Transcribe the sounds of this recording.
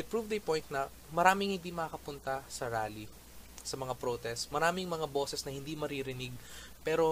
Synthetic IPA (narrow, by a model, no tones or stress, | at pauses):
ɪpɹuvd̪ɐjpojnt̪̚nɐ | mɐɾaːmɪŋhɪnd̪imɐakɐpʊnt̪ɐsɐɾaːli | sɐmɐŋapɾot̪ɛst̪mɐɾaːmɪŋmɐŋabo̞ːsɛsnɐhɪnd̪imɐɾiɾɪnɪɡ̚ | pɛːɾo̞